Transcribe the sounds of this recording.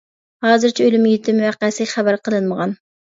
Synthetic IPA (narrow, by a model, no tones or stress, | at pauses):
hɑːzɨɾt͡ʃʰɛølymjyt̪ʰɪmywæqːæsɨχæbæɾqʰəlˠɨnməʁɑn